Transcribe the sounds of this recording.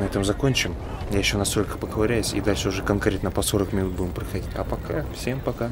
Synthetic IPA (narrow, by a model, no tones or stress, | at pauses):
nɐɛt̪əmzɐko̞nʲt͡ɕɪm | jajɪɕːo̞nɐst̪o̞lʲkə̥pəɡəvɐɾʲæjʊsʲḭd̪alʲʂəʊʐɛkɐnkɾʲe̞t̪nəpɐso̞ɾəkmʲɪnut̪̚budʲɪmpɾəxɐdʲitʲɐ̰pɐkafsʲe̞mpɐka